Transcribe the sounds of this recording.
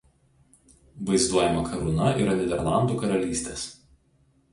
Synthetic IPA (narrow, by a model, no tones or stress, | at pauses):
ʋɐɪzd̪uɔjɛmɐkʰɐɾʊnɐḭːɾɐnʲɛd̪ʲɛɾlˠɑˑnd̪uːkɐɾɐlʲiːsʲt̪ʲeːs